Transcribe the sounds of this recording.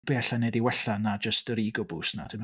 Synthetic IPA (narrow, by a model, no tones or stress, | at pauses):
b̥eːaɬanɛdiwɛɬanad͡ʒəstɾiːɡʊbuːsna̰dʰɪm